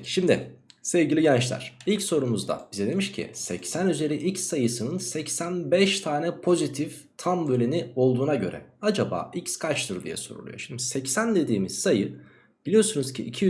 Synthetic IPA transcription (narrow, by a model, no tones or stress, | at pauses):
ʃimd̪ɪ̰sɛvɟilʲiɟɛnt͡ʃlʲˠæ̰ɾ̥ilʲcso̞ɾumuzd̪a̰b̥izɛd̪e̞miʃcʰḭsɛ̰csænyze̞ɾiʔicsːajɯsɯnɯnsɛcsænbɛʃt̪ʰaːnɛpʰo̞zit̪ʰif | t̪ʰambølʲinio̞lˠd̪uːnaɟø̞̰ɾɛ̰ad͡ʒaba̰ːicskʰat͡ʃt̪ɯɾd̪ḭjɛ̰so̞ɾṵlˠṵjoʃind̪isɛcsænd̪e̞d̪iːmiz̥sajɯ | b̥ilʲijo̞ɾsunuz̥cʰiʔːcʰi